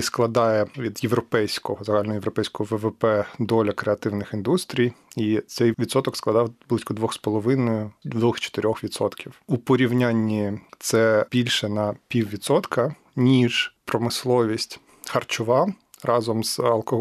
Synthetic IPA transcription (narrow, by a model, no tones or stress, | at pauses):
sklˠɐd̪ɑjɛʋʲid̪jeʋɾɔpɛjsʲkɔɦɔzɐɦɑlʲnɔɦɔjeɛʋɾɔpɛjsʲkɔɦɔʋɛʋɛpɛd̪ɔlʲɐkɾeɐt̪ɪwnɪxind̪ust̪ɾʲijit̪sɛjʋʲid̪sɔt̪ɔksklˠɐd̪ɑwblˠɪsʲkɔd̪ʋɔxspɔlˠɔʋɪnɔjʊd̪ɔxt͡ʃɔ̥t̪ɪɾʲɔxʋʲit̪sɔt̪kʲiwupɔɾʲiwnʲanʲːit̪sɛbʲilʲʃɛnɐpʲiwʋʲidt̪sɔt̪kɐ | nʲiʒpɾɔmɪslˠɔʋʲisʲtʲ | xɐrt͡ʃʊʋɑ | rɑzɔmz̥ɐlˠkɔɦ